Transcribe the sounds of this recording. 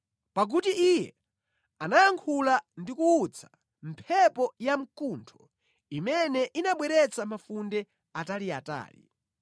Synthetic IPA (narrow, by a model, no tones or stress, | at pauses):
pak̬utiʔijɛ̰ | anajaŋkʰulandikuːt͡sʰḁ | m̩pʰɛpɔjam̩kuntʰɔ̥ | imɛnɛʔinaɓwɛɾɛt͡sʰamafundɛ | atalia̰ta̰ːlḭ